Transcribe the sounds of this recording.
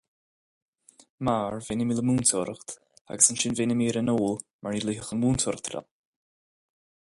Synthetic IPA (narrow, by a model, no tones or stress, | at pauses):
maːɹvenəmilˠəmuːntʰɔɾχt | a̰ɡəsənʃɪnvenəmiːɾənoːlˠmaɹilˠihəxənmuːntʰɔɾt̪ʰrɛ̰lˠ